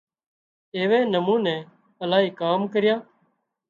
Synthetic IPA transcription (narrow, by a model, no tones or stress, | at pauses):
eːʋẽːnəmũːnẽː | əlaːiːkaːmkəɾɪjaː